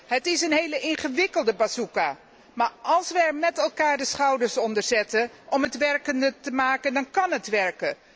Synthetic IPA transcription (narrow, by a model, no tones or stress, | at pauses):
ɦətɪsənɦejləʔɪnχəʋɪkəlˠdəbasuka | maːɹɑlˠsʋəɛɹmɛtɛlˠkaːɹdəsχawdəɹsɔndəɹzɛtə | ʔɔmətʋɛɹkəndətəmaːkəndɑnkɑnɦətʋɛɹkə